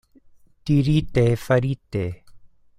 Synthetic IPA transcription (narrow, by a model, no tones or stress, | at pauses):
t̪iɾiːt̪eːfɐɾiːt̪eː